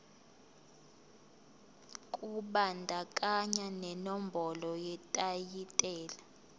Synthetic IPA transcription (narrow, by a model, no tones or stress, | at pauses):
kʼuɓandʱakʼaɲanɛnɔmbʱɔlɔjɛtʼajitʼɛːla